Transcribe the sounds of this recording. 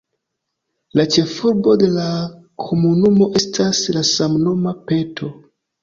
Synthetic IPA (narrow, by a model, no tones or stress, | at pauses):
lat͡ʃe̞fuɾbo̞de̞la | kʰo̞munumo̞ʔe̞stʰaslasamnomape̞tʰo̞